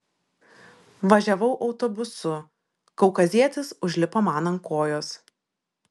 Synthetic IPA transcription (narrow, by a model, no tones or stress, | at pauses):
ʋɐʒʲɛʋɐʊʔɒʊt̪ɔːbʊsʊ | kɐʊkɐzʲiɛt̪ʲɪsʊʒʲlʲɪpoːmɑːnɐŋkoːjoːs